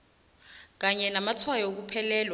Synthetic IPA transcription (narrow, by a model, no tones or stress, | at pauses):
k̬aɲɛnamatʰwajɔok̬upʰɛlɛːlwa